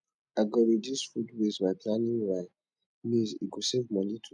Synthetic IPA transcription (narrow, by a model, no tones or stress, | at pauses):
aɡɔɾidisfudwezbaɪplanĩŋwaj | nĩziɡosevmɔnitʰu